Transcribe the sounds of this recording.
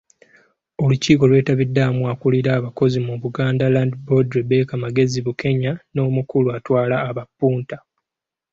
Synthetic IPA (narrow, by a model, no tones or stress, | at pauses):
o̞luciːko̞lwe̞ːtaβidːamuakuliɾaːβako̞zimuβuɡaːndalandbodɾebekamaɡe̞ziβuke̞ɲano̞ːmukuluatwaːlaːβapːuːnta